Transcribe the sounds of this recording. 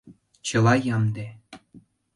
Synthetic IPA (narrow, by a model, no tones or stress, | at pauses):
t͡ɕɤ̆lɑjɑmd̪e